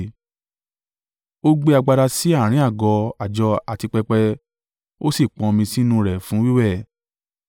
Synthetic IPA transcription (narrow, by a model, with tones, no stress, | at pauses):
o˦ɡ͡be˦a˧ɡ͡ba˧ɾa˧si˦a˦˨ɾ̃ĩ˨˦a˦˨ɡɔ˧a˨d͡ʒɔ˧a˨ti˧k͡pɛ˧k͡pɛ˧ | o˦si˦˨k͡pɔ̃˧mĩ˧si˦nũ˧ɾɛ˨fũ˨˦wi˦wɛ˦˨